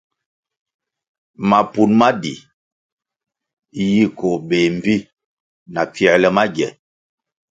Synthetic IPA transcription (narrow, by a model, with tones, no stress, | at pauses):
ma˨pu˨nma˦dḭ˨ | ji˦ko˨be˨m̩˨bi˦ | na˨pjɛ˨ɾlɛ˦˨ma˦ɡɛ˨